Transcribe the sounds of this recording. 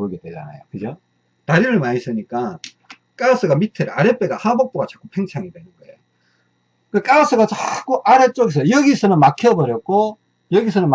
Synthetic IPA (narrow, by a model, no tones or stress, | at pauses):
oɡedwe̞d͡ʑa̰na̰jokɯd͡ʑo | taɾiɾɯɭmaɲis͈ɯɲik͈a | k͈as͈ʰɯɡamitʰɯɾeaɾep͈eɡahabok̚p͈oɡat͡ɕḁk͈upʰe̞ŋt͡ɕʰaŋidwe̞nɯnɡʌejo | kek͈as͈ʰɯɡat͡ɕak͈uʔaɾet͡ɕ͈oɡis̬ʰʌjojʌɡisʰʌnɯnmakʰjʌbʌɾjʌt̚k͈o | jʌɡisʰʌnɯn